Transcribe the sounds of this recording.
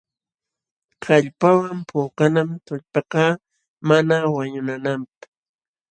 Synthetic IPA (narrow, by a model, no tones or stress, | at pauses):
kɑʎpawampʰoːqanamt̪ʊʎpɑqɑ | manawaɲʊnanamp̚ḁ